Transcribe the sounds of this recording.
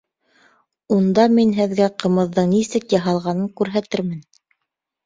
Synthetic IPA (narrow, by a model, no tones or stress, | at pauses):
und̪ɑminɦɘ̆ðɡæqɤ̆mɤ̆ðːɤɴnisɘkjɑɦɑlˠʁɑnɤŋkʉɾɦæt̪ɘɾmɘn